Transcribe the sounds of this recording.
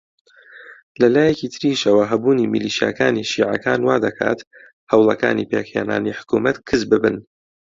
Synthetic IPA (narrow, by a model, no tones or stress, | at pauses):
lɐlaːjekiːt̪ʰɨɾiːʃɐwɐɦɐbuːniːmiliːʃija̰kaːniʃiːʕɐ̰kaːnwaːd̪ɐkʰa̰ːt̪ | hɐwlˠɐka̰ːnḭpeːkheːna̰ːniħʊ̥kumɐt̪kʰɨzbɨbɨn